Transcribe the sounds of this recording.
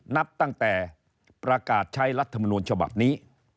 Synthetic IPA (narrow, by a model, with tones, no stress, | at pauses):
na˦˥p̚t̪a˧ŋt̪ɛː˨˩ | pɾa˧kaː˨˩t̪̚t͡ɕʰa˦˥jɾa˦˥t̪ʰːa˧mɔ˧nu˧ənt͡ɕʰa˧ba̰˨˩p̚niː˦˥